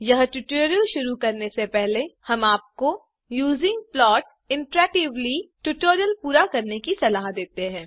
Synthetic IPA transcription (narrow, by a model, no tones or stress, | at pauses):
jɐɦʈuʈoːɾijəlʃʊɾukɐɾnesepɛɦlehɐmaːp̚ko | juːzɪ̃ŋɡ̚plɔːʈ | ɪ̃ɳʈɾɛːk̚ʈɪʋliʈuʈoːɾijəlpuːɾakɐɾnekisɐlaːɦd̪eːt̪eɦɛ̃ː